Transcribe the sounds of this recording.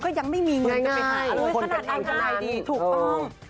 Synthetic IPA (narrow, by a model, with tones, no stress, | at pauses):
kɔː˥˩ja˧˩ŋ̚ma˥˩jmiː˧ŋŋaː˧˩aa˧˩˥kʰo˧na˧˩t̪ʔa˧˩ta˧˩laː˧˩jdiː˧˩t̪ʰuː˨˩ɔ˥˩ŋ